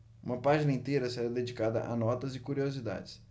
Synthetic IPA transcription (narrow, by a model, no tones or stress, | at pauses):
ũmɐpaʒinɐẽnt̪ejɾɐseɾad̪ed͡ʒikad̪ɐ̰ʔanɔt̪ɐzɪkuɾiozid̪a̰d͡ʒɪs